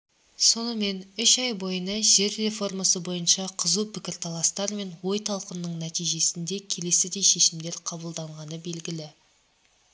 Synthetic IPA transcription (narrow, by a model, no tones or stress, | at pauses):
so̞nəme̞nʏʃɑjbo̞jənɑʒe̞ɾre̞fo̞rmasəbo̞jənʃɑqʰəzupʰɪkʲɪɾt̪ʰɑlˠɑst̪ɑɾme̞nwo̞jt̪ʰɑlˠqənːəɴnæt̪ijʒe̞sɪnd̪e̞kʲʰe̞le̞sɪd̪e̞jʃe̞ʃɪmd̪e̞ɾqʰɑbəlˠd̪ɑɴʁɑnəbe̞lɡʲɪlɪ